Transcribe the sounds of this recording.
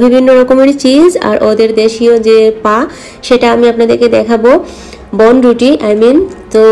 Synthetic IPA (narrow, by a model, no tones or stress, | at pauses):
bibʱinːoɾɔkomeɽit͡ɕid͡ʑa̰ɾʔod̪eɾd̪eʃiod͡ʑepã | ʃeʈaamiapnad̪eɾked̪ɛkʰabo | bɔnɾuʈiʔajmint̪o